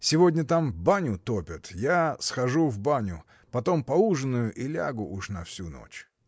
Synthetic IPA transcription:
sʲɪvodʲnʲət̪ambanʲʊt̪opʲət̪jasxɐʐuvbanʲʊ | pɐt̪o̞mpɐuʐɨnːʊjʊʔilʲa̰ɡʊʔuʂnɐfsʲuno̰t͡ɕ

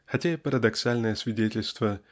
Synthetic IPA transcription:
xɐtʲaɪpəɾəd̪ɐksalʲnəjəsvʲɪdʲetʲɪlʲst̪və

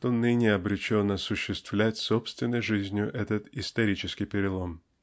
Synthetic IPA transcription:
t̪onɨnʲɪɐbɾʲɪt͡ɕonːəɐsʊɕːɪst̪v̥lʲætʲsopst̪vʲɪnːəjʐɨzʲnʲɪjʊʔɛt̪ət̪ɪst̪ɐɾʲit͡ɕɪskʲɪjpʲɪɾʲɪlˠo̞m

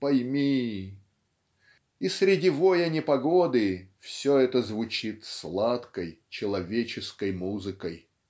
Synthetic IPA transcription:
pɐjmʲi | isɾʲɪdʲivojɐnʲɪpɐɡod̪ɨfsʲoɛt̪əzvʊt͡ɕit̪slˠat̪kəjt͡ɕɪlˠɐvʲet͡ɕɪskəjmuzɨkəj

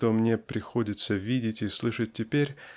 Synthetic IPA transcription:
t̪omnʲe̞pɾʲɪxo̞dʲɪt̪səvʲidʲɪtʲislˠɨʂət̚ʲtʲɪpʲeɾʲ

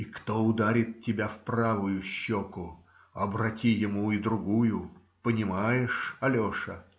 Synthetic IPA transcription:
ikt̪oʊd̪aɾʲɪt̪̚tʲːɪbʲafpravʊjʊɕːokʊ | ɐbrɐtʲijɪmuid̪ɾʊɡujʊ | pənʲɪmajɪʂɐlʲoʂə

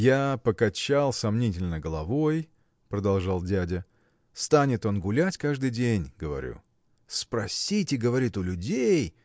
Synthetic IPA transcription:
japəkɐt͡ɕalˠsɐmnʲitʲɪlʲnəɡəlˠɐvo̞j | pɾəd̪ɐlˠʐɑlˠdʲædʲə | st̪anʲɪt̪o̞nɡʊlʲætʲkaʐd̪ɨjdʲenʲɡəvɐ̰ɾʲṵ | spɾɐsʲitʲɪɡəvɐɾʲit̪ʊlʲʊdʲej

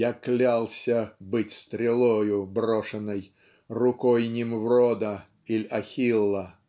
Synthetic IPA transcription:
jaklʲalˠsʲəbɨtʲst̪ɾʲɪlˠɔjʊbrɔʂɨnəj | rʊkɔjnʲɪmvɾɔd̪ə | ilʲɐxʲilˠːə

